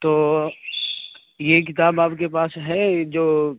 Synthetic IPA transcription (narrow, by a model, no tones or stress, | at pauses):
t̪oː | jek̬ɪt̪aːbaːbkepaːsɦɛd͡ʒoː